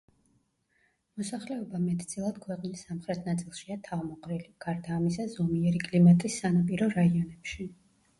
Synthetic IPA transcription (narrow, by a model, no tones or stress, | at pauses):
mɔsaχlɛɔbamɛt̪ʰd̪sʼilˠad̪̥kʰwɛqʼnisːamχɾɛt̪ʰnat̪sʼilˠʃiat̪ʰavmɔqʼɾɛliɡ̥aɾd̪aːmisazɔmiɛɾikʼlimat̪ʼisːanapʼiɾɔɾaiɔnɛpʃi